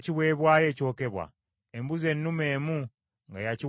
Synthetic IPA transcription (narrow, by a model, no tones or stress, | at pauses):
ciβwe̞ːβwaːje̞ːco̞ːke̞βwa̰ | embuze̞nːume̞ːmu | ŋɡajaci